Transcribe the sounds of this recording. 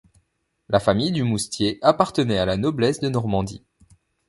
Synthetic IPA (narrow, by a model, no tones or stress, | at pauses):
lʔafamijd̪ymust̪jeʔapaʁt̪ənɛalanɔblɛsd̪ənɔʁmɑ̃d̪ḭ